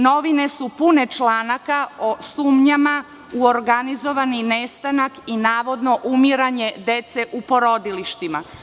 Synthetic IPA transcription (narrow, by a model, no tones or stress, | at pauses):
no̞ʋine̞supune̞t͡ʃlaːnakaosuːmɲama | uoɾɡanizo̞ʋaninest̪anakinaːʋo̞d̪no̞ʔumiɾaɲe̞d̪e̞t̪seʔupo̞ɾo̞d̪iliʃt̪ima